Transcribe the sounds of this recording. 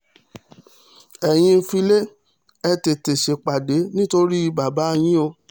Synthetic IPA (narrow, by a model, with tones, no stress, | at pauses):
ɛ˨j̃ĩ˧fi˧le˦ | ɛ˧te˨te˨ʃe˨k͡pa˨de˨˦nĩ˦to˧ɾi˦i˧ba˨ba˨˦˧j̃ĩ˦o˧